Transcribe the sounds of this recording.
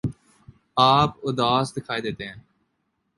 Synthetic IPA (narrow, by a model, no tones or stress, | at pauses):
aːpʊd̪aːsd̪ɪkʰaːed̪eːt̪eɦɛ̃ː